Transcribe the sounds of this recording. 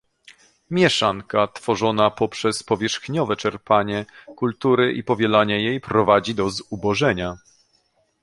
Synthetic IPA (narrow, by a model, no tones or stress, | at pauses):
mʲjɛʂaŋkat̪fɔʐɔnapɔpʂɛspɔvʲjɛʂxɲɔvɛt͡ʂɛɾpaɲɛkult̪uɾɘʔipɔvʲjɛlaɲɛjejpɾɔvad͡ʑid̪ɔzubɔʐɛɲa